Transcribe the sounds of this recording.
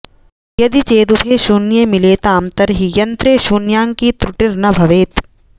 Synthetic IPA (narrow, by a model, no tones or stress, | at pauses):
jɐd̪it͡ʃeːd̪upʰeːʃuːnjemileːt̪aːmt̪ɐɾɦijɐnt̪ɾeːʃuːnjaːŋkiːt̪ɾʊʈiɾnɐbʱɐʋeːt̪